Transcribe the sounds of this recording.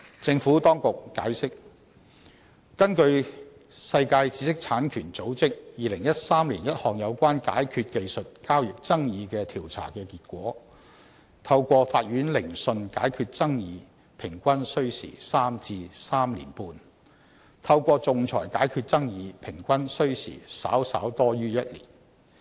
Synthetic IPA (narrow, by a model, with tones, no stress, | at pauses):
t͡sɪ˧ŋfuː˨˥t̪ɔː˥ŋkʊ˨k̚ːa̰ː˨˥jsɪ˥k̚ | kɐ˥nkɵ˧ɥ | sɐ˧jkaː˧jt͡si̥˨˥sɪ˥k̚t͡sʰaː˨˥nkʰyː˨˩nt͡so˨˥wt͡sɪ˥k̚jiː˨lɪ˨˩ŋjɐ˥t̚saː˥mliː˨˩njɐ˥t̚hɔː˨˩ŋjɐ˨˧wkʷaː˥nka̰ː˨˥jkʰyː˧t̚ke˧jsɵ˨t̚kaː˥wjɪ˨k̚t͡sɐ˥ŋjiː˨˧kɛː˧t̪ʰiː˨˩wt͡sʰa̰ː˨˩kɛː˧kiː˧t̚kʷɔː˨˥ | t̪ʰɐ˧wkʷɔː˧faː˧t̚ɥyː˨˥nlɪ˨˩ŋsɵ˧nka̰ː˨˥jkʰyː˧t̚t͡sɐ˥ŋjiː˨˧ | pʰɪ˨˩ŋkʷɐ˥nsɵ˥ɥsḭː˨˩saː˥mt͡siː˧saː˥mlḭ˨˩npuː˧n | t̪ʰɐ˧wkʷɔː˧t͡sʊ˨ŋt͡sʰɔ̰ː˨˩jkaː˨˥jkʰyː˧t̚t͡sɐ˥ŋjiː˨˧pʰɪ˨˩ŋkʷɐ˥nsɵ˥ɥsḭː˨˩sa̰ː˨˥wsa̰ː˨˥wt̪ɔː˥jyː˥jɐ˥t̚lḭː˨˩n